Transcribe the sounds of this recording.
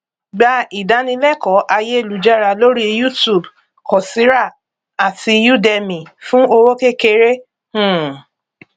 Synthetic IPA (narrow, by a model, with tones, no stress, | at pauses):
ɡ͡ba˧i˨da˨˦nĩ˧lɛ˦˨kɔ˨˦ʔa˧je˦e˦˨lu˨d͡ʒa˦˨ɾa˧lo˦ɾi˦˧ju˦˨tu˨b | kɔ˨si˨˦ɾa˦˨ | a˨tʰi˧ju˦˨dɛ˧mĩ˨fũ˦o˧ɾo˦ke˦ke˧ɾe˦ | hũ˦˨